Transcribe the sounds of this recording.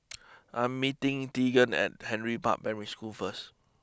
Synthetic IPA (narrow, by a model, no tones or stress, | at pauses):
ʔãjmːitɪ̃ŋtiɡə̃nɛ̰t̚hɛ̃nɹipa̰ʔ̚bɛ̃nɹiskulfəs